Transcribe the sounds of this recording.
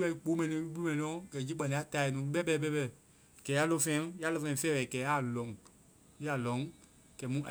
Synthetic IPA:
ɛ˧i˦k͡po˨˦mɛ̃˨nĩ˧˦i˦ɓu˦u˦mɛ̃˨nĩ˨˧nɔ̃˨˦ɡɛ˨d͡ʒi˦k͡pa˨nĩ˨˧˦a˨˦˨ta˧˨i˨nũː˨˦ɓɛ˦bɛː˧˨ɓɛ˦bɛ˦˨ | kɛ˨˦a˦lɔ̃˧˨fɛ̃˧˦ja˦lɛ˧fɛ̃˨˧fɛː˦wɛ˨kɛː˨˦a˦˨lɔ̃˨˦ŋ | ji˦a˨lɔ̃˨˦ŋ | kɛ˨˦mũ˦˨

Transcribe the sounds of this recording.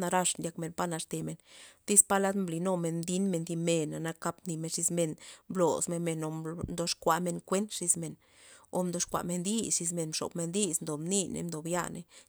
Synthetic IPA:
na˧ɾa˧ʂndʲa˧kme˧npa˦na˧ʂt̪e˨me˨nt̪i˦spa˦la˦d̪mbli˨no˧me˧nd̪i˦nme˧nd̪i˧me˧na˨na˧ka˧pni˧me˧nʂi˧sme˧nmblo̰˨sme˧nme˧no˧d̪o˧ʂkʷa˧me˧nkʷe˦nt̪ʂi˧sme˧˨n | o̰˧md̪o˧ʂkʷa̰˨me˧nd̪i˦sʂi˧s̬me˧nʂo̰˨bme˧nd̪i˦snd̪o˨mni˦nḛ˧nd̪o˨bja̰˧nḛ˧

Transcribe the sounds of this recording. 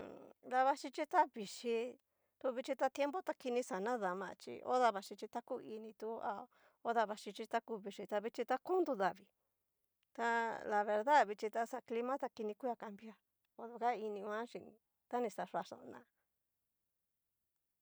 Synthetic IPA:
ða˧βa˧ʂi˧t͡ʃi˦t̪a˦βi˨ʂi˧ | t̪u˧βi˧t͡ʃi˧t̪a˧t̪je˦mbo˦t̪a˧ki˧nĩ˧sa˨nã˦ða˨mã̰˧t͡ʃḭ˧o̰˦ða˧βa˧ʂi˧t͡ʃi˧t̪a˦ku˦i˧nĩ˧t̪u˧˦a̰˧ | o˦ða˧βa˧ʂi˧t͡ʃi˧t̪a˦ku˧βi˧ʂi˧t̪a˧βi˧t͡ʃi˧t̪a˧kũ˦nd̪u˧ða˨βi˨ | t̪a˧la˨βe˧ɾða˦βi˧t͡ʃi˧t̪a˧sa˧kli˧mã˦t̪a˧ki˧nĩ˧kʷi˦a˧ka˧mbi˦a˧ | o˧ðu˧ka˦i˧nĩ˧ã˦ʃḭ˧ | t̪a˦nĩ˧sa˨ʂa˧ʂa̰˨˧nã˧

